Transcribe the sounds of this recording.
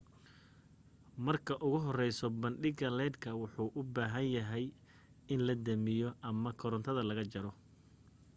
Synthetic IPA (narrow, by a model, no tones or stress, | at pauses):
mɐrkʰɐʔʊɣʊɦɔrɛjsɔbɐnɖɪɡɐlɛːd̪kʰɐwʊħuːʔʊbaːɦɐnjɐɦɛj | ɪnlɐd̪ɐmɪjɔʔɐmɐkʰɔɾɔnt̪ʰɐðɐlɐɣɐt͡ʃɐɾɔ